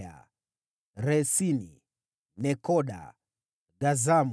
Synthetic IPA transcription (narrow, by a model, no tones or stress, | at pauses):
a̰ | ɾɛsinḭ | nɛkɔɗa̰ | ɡazam